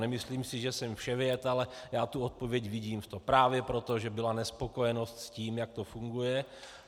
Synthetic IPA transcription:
nɛmɪsliːmsɪʒɛsɛmfʃɛvjɛt̪alɛjaːt̪uot̪̚povjɛcvɪɟiːmft̪opɾaːvjɛpɾo̞t̪o̞ʒɛbɪlanɛspo̞ko̞jɛno̞st̪sciːmjak̚t̪ofuŋɡujɛ

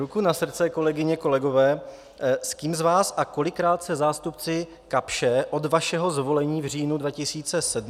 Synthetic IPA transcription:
ɾukunasr̩t͡sɛko̞lɛɡɪɲɛko̞lɛɡo̞vɛː | skiːmzvaːsʔako̞lɪkːɾaːt̪sɛzaːst̪upt͡sɪ | kapʃɛʔo̞dvaʃɛɦo̞zvo̞lɛɲiːvr̝iːnudvacɪsiːt͡sɛsɛd

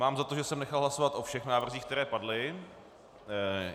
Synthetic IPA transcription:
maːmzat̪oʒɛsɛmnɛxalˠɦlasovat̪ʔo̞fʃɛxnaːvr̩ziːxk̚t̪ɛɾɛːpadlɪ

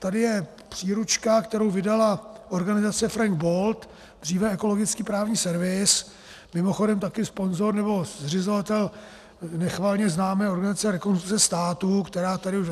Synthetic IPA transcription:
t̪adɪjɛ | pr̝̥iːɾut͡ʃkakt̪ɛɾo̞wvɪdalaʔo̞ɾɡanɪzat͡sɛfɾaŋɡ̚bo̞lt̪ | d̪riːvɛɛko̞lo̞ɡɪt͡skiːpɾaːvɲiːsɛɾvɪs | mɪmo̞xo̞dɛmt̪akɪspo̞nzo̞ɾnɛbo̞zrɪzo̞vat̪ɛl | nɛxvaːlɲɛznaːmɛːo̞ɾɡanɪzat͡sɛɾɛkonst̪ɾukt͡sɛst̪aːt̪ukt̪ɛɾaːt̪adɪuʃ

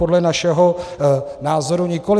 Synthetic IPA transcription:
odlɛnaʃɛɦo̞ | naːzo̞ɾuɲɪko̞lɪ

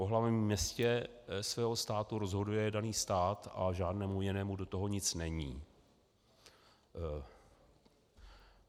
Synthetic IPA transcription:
poɦlavɛmmːɲɛscɛ | svɛːɦo̞st̪aːt̪uɾo̞zɦo̞dujɛdaniːst̪aːt̪ʔa̰ʒaːdnɛːmujɪnɛːmudo̞t̪oɦo̞ɲɪt͡snɛɲiː

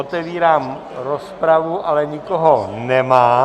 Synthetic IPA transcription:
ot̪ɛviːɾaːm | ɾospɾavuʔalɛɲɪkoɦonɛmaː

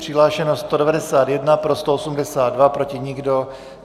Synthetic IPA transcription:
r̥ɪɦlaːʃɛnost̪o̞dɛvadɛsaːt̪jɛdnapɾo̞st̪oosumdɛsaːddvapɾo̞cɪɲɪɡdo̞

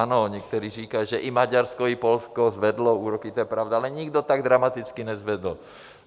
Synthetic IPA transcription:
nɔɲɛk̚t̪ɔɾiːɾiːkaʒɛʔimaɟaɾskɔipɔlskɔzʋɛd̪lɔuːɾɔkit̪ɔjɛpɾaʊd̪alɛɲiɡd̪ɔt̪aɡd̪ɾamat̪it͡skinɛzʋɛd̪l̩

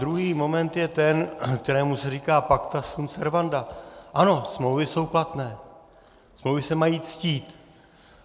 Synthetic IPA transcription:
dɾuɦiːmo̞mɛnt̪jɛt̪ɛnkt̪ɛɾɛːmusɛriːkaːpakt̪asunfɛɾvandaʔano̞smlowvɪso̞wplat̪nɛː | smlowvɪsɛmajiːt͡sciːt̪

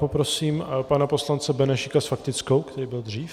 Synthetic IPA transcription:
po̞pɾosiːmpanapo̞slant͡sɛbɛnɛʃɪkasfakt̪ɪt͡sko̞wkt̪ɛɾiːbɪld̪r̝iːf

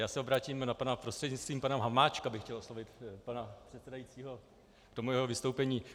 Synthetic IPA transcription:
jaːsɛobɾaːciːmnapanapɾost̪r̥ɛdɲɪt͡sst̪viːmpanɛmɦamaːt͡ʃkabɪxcɛlʔoslovɪt̪panapr̥ɛt̪sɛdajiːt͡siːɦo̞ | ktomujɛɦovɪst̪owpɛɲiː

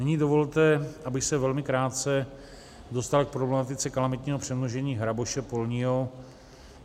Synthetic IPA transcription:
nɛɲiːdovo̞lt̪ɛʔabɪxsɛvɛlmɪkɾaːt̪̚t͡sɛ | do̞st̪alk̚pɾoblɛmat̪ɪt͡sɛkalamɪt̪ɲiːɦopr̥ɛmnoʒɛɲiːɦɾabo̞ʃɛpo̞lɲiɦo

